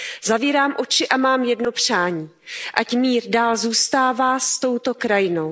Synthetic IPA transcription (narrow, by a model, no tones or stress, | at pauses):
zaviːɾaːmʔo̞t͡ʃɪʔamaːmjɛdno̞pr̝̥aːɲiː | ʔacmiːɾdaːlzuːst̪aːvaːst̪o̞wt̪o̞kɾajɪno̞w